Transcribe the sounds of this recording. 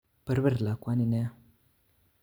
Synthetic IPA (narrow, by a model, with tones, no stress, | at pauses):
pə˨ɾbə˦ɾla˨kʷwa˦ni˦˨ne˦